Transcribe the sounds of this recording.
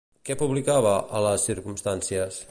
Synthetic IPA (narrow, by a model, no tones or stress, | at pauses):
kɛpuβlikaβəələsːiɾkumst̪ansiəs